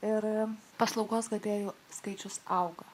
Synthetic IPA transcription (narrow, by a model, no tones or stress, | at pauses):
ɪɾpɐslˠɒʊɡoːsɡɐd̪ʲeːjuːskɐɪt͡ʃʲʊsɐʊɡɐ